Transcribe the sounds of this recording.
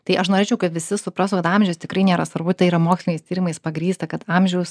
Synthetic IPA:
t̪ɐɪʔɐʃnoːɾʲeːt͡ʃʲɛʊkɐt̪ʋʲɪsʲɪsʊpɾɑːsʊkɐt̪ɑmʲʒʲɛʊst̪ʲɪkɾɐɪnʲeːɾɐsʋɐɾbʊt̪ɐɪiːɾɐmoːksʲlʲɪnʲkɐɪst̪ʲiːɾʲɪmɐɪspɐɡɾʲiːst̪ɐkɐt̪ɑːmʲʒʲɛʊs

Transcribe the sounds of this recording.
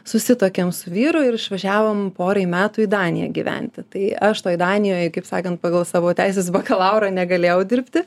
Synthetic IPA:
sʊsʲɪt̪oːkʲɛmsʊʋʲiːɾʊɪɾɪʃʋɐʒʲæːʋoːmpoːɾɐɪmʲæːt̪ʊid̪ɑːnʲɪjɛ̰ɡʲiʋʲæ̰nʲt̪ʲɪt̪ɐɪɐʃt̪oːjd̪ɑːnʲɪjoːjkɐɪpsɑːkɐnt̪̚pɑːɡɐlˠsɑːʋoːtʲæɪs̬ʲeːs̬bɐkɐlˠɐʊɾɐnʲɛɡɐlʲeːjɛʊd̪ʲɪɾʲpʲt̪ʲɪ

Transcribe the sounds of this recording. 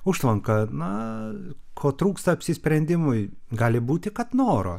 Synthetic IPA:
ʊʃlˠɐŋkɐnʊ | kʰoːt̪ɾuːkst̪ɐɐpʲsʲɪsʲpʲɾʲɛnʲd̪ʲɪmʊɪɡɑːlʲɪbuːt̪ʲɪkɐt̪noːɾoː

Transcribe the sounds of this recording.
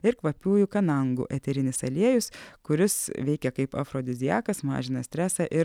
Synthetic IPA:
ɪɾkʋɐpʲuːjukɐnɐŋɡʊ̰ʔɛt̪ʲɛɾʲɪnʲɪsɐlʲiɛjʊskʊɾʲɪsʋʲɛɪkʲɛkɐɪpɐ̰fɾoːd̪ʲɪzʲɪjæːkɐsmɑ̰ːʒʲɪnɐsʲt̪ʲɾʲæːsɑʔɪ

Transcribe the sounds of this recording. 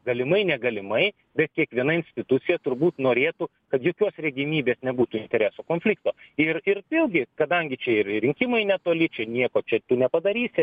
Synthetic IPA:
ɡɐlʲɪmɐɪnʲɛɡɐlʲɪmɐɪ | bʲɛt̪̚kʲiɛkʋʲiɛnɐɪnʲsʲt̪ʲɪt̪ut͡s̪ʲɪjɛt̪ʊrbuːt̪noːɾʲeːt̪ʊ | kɐt̪joːkʲoːsrʲɛɡʲɪmʲiːbʲeːsnʲɛbuːt̪ʊɪnʲt̪ʲɛɾʲæːsoːkoːnʲfʲlʲɪk̚t̪oːɪrɪrɪlˠɡʲɪkɐd̪ɐŋʲɡʲɪt͡ʃʲɛɪrɾʲɪŋʲkʲɪmɐɪnʲɛt̪oːlʲɪt͡ʃʲɛnʲiɛkoːt͡ʃʲɛt̪ʊnʲɛpɐd̪ɐɾʲiːsʲɪ

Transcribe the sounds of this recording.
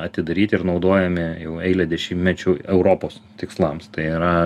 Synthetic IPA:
ɐt̪ʲɪd̪ɐɾʲiːt̪ʲɪɪɾnɒʊd̪oːjɛmʲɪjɛʊɛɪlʲɛd̪ʲɛʃʲɪmʲɛt͡ʃʲʊɛʊɾoːpoːst̪ʲɪkslˠɐmst̪ɐɪɪɾɐ

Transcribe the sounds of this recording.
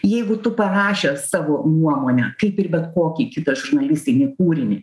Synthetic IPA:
jɛɪɡʊt̪ʊpɐɾɑːʃʲɛssɑːʋoːnuɔmoːnʲɛkɐɪpɪrbʲɛt̪koːkʲiːkʲɪt̪ɐʒʊrnɐlʲɪsʲt̪ʲɪnʲɪkuːɾʲɪnʲɪ

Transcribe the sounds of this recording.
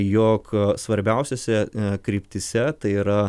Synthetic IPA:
joːksʋɐɾʲbʲɛʊsʲosʲɛkɾʲiːpʲt̪ʲɪsʲɛt̪ɐɪiːɾɐ

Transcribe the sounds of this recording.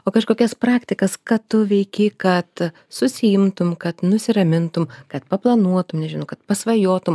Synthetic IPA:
oːkɐʃkoːkʲɛspɾɑːkt̪ʲɪkɐskɐt̪ʊʋʲɛɪkʲɪkɐt̪ | sʊsʲɪɪmt̪ʊmkɐt̪nʊsʲɪɾɐmʲɪnt̪ʊmkɐt̪̚pɐplˠɐnuɔt̪ʊmnʲɛʒʲɪnɐʊkɐt̪pɐsʋɐjoːt̪ʊm

